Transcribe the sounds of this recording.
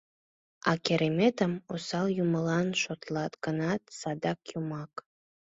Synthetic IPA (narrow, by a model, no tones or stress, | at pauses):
ɑkeɾemet̪əmosɑljuməlɑnʃot̪lɑt̪ɡənɑt̪sɑd̪ɑkjumɑk